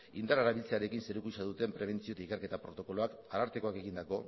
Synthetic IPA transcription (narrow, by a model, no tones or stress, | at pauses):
ind̪aɾaɾaβilt͡seaɾe̞kinse̞ɾukusaðut̪e̞mpɾe̞β̞e̞nt͡sio̞t̪aikeɾke̞t̪apɾo̞t̪o̞ko̞lo̞akaɾaɾt̪e̞ko̞ake̞ɣ̞ind̪ako̞